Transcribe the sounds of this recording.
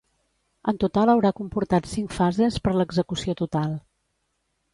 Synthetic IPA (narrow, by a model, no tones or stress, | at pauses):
ənt̪ut̪alˠəwɾakumpuɾt̪at̪siŋkfazespəɾləɡzəkusiot̪ut̪alˠ